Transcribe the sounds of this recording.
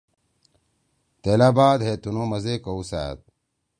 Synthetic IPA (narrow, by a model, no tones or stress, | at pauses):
t̪elabaːd̪ɦet̪unomɐzekousæ̰ːt̪̚